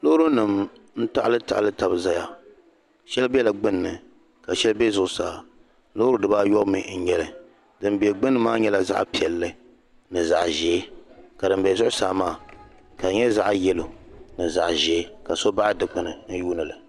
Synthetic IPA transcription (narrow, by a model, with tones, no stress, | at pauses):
lo˦hɾu˦nɨ˨m | n̩˦ta˦ʔlɨ˦ta̰˨ʔlɨ˦ta˨bɨ˨za˦ja˨ | ʃɛ˦lbɛ˦la˨ɡ͡bɨ˦nːɨ˨ | ka˨ʃɛ˦lbɛ˦zʊ˨ʔʊ˨saː˨ | lo˦ɾu˦dɨ˦baː˦jɔ˦ʔmi˨n̩˦ɲɛ˦lɨ˨ | dɨ˨mbi˨ɛ˨ɡ͡bɨ˦nːɨ˦maː˦ɲɛ˦la˨za̰˦ʔpi˨ɛ˨lːɨ˦ | nɨ˨za˨ʔʒɛ˨˦ka˨dɨ˨m˦bɛ˨zʊ˦ʔʊ˦saː˨maː˦˨ | ka˨ɲɛ˦za˦ʔjɛ˦lo˨nɨ˨za̰˨ʔʒɛ˨˦ka˨so˦ba˦ʔa˦dɨ˨k͡pɨ˨nɨ˨n̩˦juː˦nɨ˨lɨ˨